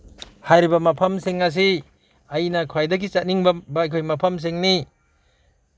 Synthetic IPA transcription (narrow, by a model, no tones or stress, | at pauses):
hajɾibɐmɐpʰɐmseŋɐs̬i | ɐjnɐkʰajdɐɡit͡ʃat̚niŋbɐbɐɐjkʰojmɐpʰɐms̬eŋni